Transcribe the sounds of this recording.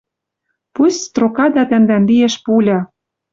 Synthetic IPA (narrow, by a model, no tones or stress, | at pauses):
pusʲst̪rokɑd̪ɑt̪æ̆nd̪ænlieʃpulʲɑ